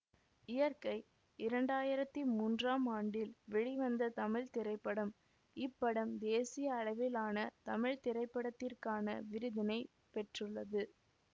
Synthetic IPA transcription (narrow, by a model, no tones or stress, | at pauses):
ɪjɐɾkɐɪ | ɪɾɐɳɖaːjɪɾɐt̪ːimuːndraːmaːɳɖɪlʋɛɻiʋɐnd̪ɐt̪ɐmɪɻt̪ɪɾɐɪpːɐɽɐm | ɪpːɐɽɐmd̪eːsɪjɐːɻɐʋɪlaːnɐt̪ɐmɪɻt̪ɪɾɐɪpːɐɽɐt̪ːɪrkaːnɐ̰ʋɪɾɯðɐnɐɪ | pɛʈrɯɭːɐðɯ